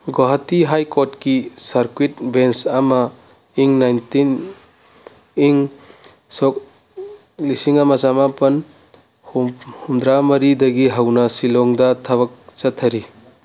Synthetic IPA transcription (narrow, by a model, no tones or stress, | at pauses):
ɡɔɦatiɦajkɔtkisaɾkwit̚bensama | iŋnajntin | iŋ | sɔk̚ | lisiŋamɐzamapɐn | hhumd̪ɾamɐɾidɐɡiɦɐwnasilɔŋdɐtʰɐbɐk̚t͡ʃɐtʰːɐɾi